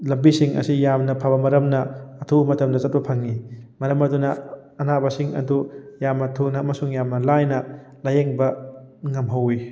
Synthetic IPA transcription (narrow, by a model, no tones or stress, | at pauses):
lɐmbisiŋɐ̰sijamnɐpʰabɐmɐɾɐmnɐːtʰumɐtɐmdɐzɐt̚pɐpʰɐŋːimɐɾɐmɐdunɐ | ɐnabɐsiŋɐ̰dujamɐtʰunɐmɐsuŋjamnɐlajnɐ | lɐjeŋbɐŋɐmɦɐwi